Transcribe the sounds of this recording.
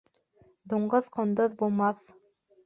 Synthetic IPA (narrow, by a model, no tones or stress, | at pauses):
d̪uɴɢɤðqʰŏnd̪ɤðbulˠmɑθ